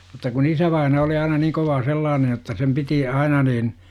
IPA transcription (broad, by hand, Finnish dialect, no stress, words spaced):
mutˑɑ kun isæʋɑinɑ oli ɑinɑ niːŋ koʋɑː selːɑːnej jotːɑ sem piti ɑinɑ niːn